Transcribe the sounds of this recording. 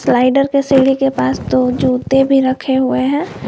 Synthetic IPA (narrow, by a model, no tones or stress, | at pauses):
slaːɪɖəɾkeseːɽikepaːst̪od͡ʒuːt̪ebʱiɾɐkʰeɦʊeɦɛ̃ː